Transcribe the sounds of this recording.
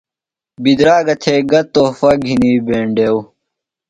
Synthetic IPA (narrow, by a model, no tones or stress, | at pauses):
bid̪ɾaːɡɐt̪ʰeːɡɐt̪ːoːfɐɡʱiniːbeːɳɖeːw